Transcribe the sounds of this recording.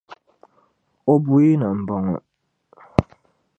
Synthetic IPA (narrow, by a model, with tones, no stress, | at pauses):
o˦bu˦i˦nə˨m̩˨bɔ˨ŋə̰˨